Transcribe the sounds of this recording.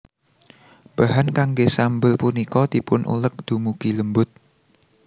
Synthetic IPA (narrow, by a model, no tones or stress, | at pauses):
b̥aɦankaŋɡesambʊlpunikɔt̪ipʊnʔṵlək̚d̪̥umuɡ̥iləmbʊt̪̚